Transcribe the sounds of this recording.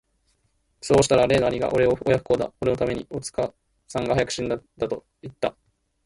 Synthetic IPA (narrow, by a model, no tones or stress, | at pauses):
so̞ːɕi̥t̪aɾaɾe̞ːd̪aːɲiɡa̰ʔo̞ɾe̞o̞ojaɸɯ̟ko̞ːd̪a̰oɾe̞no̞t̪ame̞ɲ̟io̞t͡sɨ̥ka | sãŋɡaɦajakɯ̟̥ɕĩnd̪ad̪at̪o̞ | it̪ːa